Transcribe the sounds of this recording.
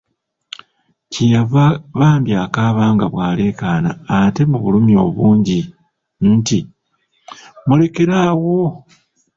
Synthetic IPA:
cijaβaːmbjaːkaːβaːŋɡaβwaːle̞ːkaːnaːte̞muβulumjo̞βuːɲɟi | nti | mule̞ke̞ɾaːwo

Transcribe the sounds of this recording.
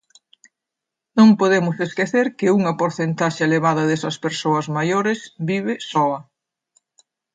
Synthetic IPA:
nõŋpoðemʊseskeθeɾkɪuŋɐpoɾθent̪aʃɪeleβ̞aðɐðesɐspeɾsoɐzmajoɾɪsbiβɪsɔɐ

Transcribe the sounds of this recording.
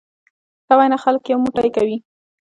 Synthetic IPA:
sawajnaxalkjawmuʈajkawi

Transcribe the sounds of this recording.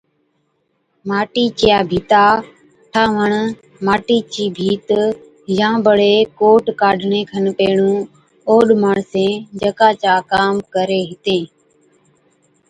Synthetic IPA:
maːʈiːt͡ʃjaːbʱiːt̪aː | ʈʰãːʋəɳ | maːʈiːt͡ʃiːbʱiːt̪ | jãːbəɽeːkoːʈkaːɖʱɳẽːkʰənpeːɳũː | oːɗmaːɳsẽːd͡ʒəkaːt͡ʃaːkaːmkəɾeːɦɪt̪ẽː

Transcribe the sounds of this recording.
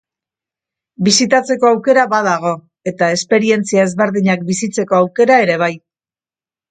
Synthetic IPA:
bisit̪at͡se̞ko̞awke̞ɾaβaðaɣ̞o̞ | e̞t̪ae̞spe̞ɾie̞nt͡siae̞zβe̞ɾðiɲakbisit͡se̞ko̞awke̞ɾae̞ɾe̞β̞aj

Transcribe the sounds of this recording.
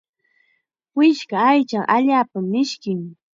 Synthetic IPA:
wɪʃkaːjt͡ʃaʔaʎaːpamːɪʃkɪŋ

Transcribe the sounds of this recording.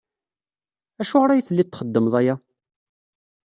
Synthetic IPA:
æʃʊʁɾæjiθəlːit̪ːχəd̪ːəməðˤæja

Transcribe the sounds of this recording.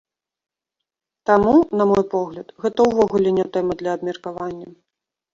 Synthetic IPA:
t̪amunɐmɔjpɔɣlʲɐt̪ɣɛt̪ɐwvɔɣulʲɛnʲɛt̪ɛmɐd̪lʲɐːb̚mʲɛrkavanʲːɐ

